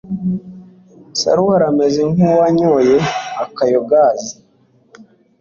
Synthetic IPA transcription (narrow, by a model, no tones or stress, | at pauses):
sa̰ɾuhaɾamezeŋhuwaɲoːjeakajoɡazi